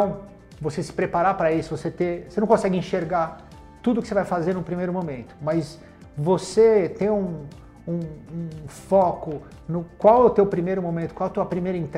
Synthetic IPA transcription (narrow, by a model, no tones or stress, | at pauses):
t̪ɐ̃w̃ | vosesɪ̥pɾepaɾapɾɐisʊvoset̪eosenɐ̃w̃kõsɛɡɪĩʃeɾɡa | t̪ud̪ʊkɪ̥sevajfazeɾnʊ̃pɾimejɾʊmomẽnt̪ʊ̥mɐs | voset̪ẽj̃ũ | ũũfɔkʊ | nʊkwawʊt̪ewpɾimejɾʊmomẽnt̪ʊ̥kwawɐt̪uɐpɾimejɾɐĩt̪